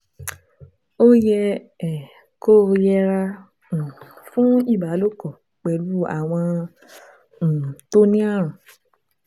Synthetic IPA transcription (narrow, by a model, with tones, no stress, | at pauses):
o˦jɛ˧ | ɛ˨ | ko˦jɛ˧ɾa˧ | ũ˨fũ˦i˦˨ba˨˦lo˦kɔ˨ | k͡pɛ˨lu˨˦a̰˦˨w̃ɔ̃˧ | ñ̩˨to˦nĩ˦a˦˨ɾ̃ũ˨